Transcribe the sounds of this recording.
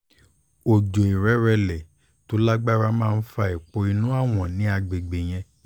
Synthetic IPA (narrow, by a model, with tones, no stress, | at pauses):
o˨d͡ʒo˨i˨ɾɛ˨˦ɾɛ˧lɛ˨ | to˨˦la˦ɡ͡ba˦˨ɾa˧mãː˦˧n̩˦fa˧i˨k͡po˧i˧nũ˦a˦˨w̃ɔ̃˨nĩ˨˦a˧ɡ͡be˨ɡ͡be˨j̃ɛ̃˧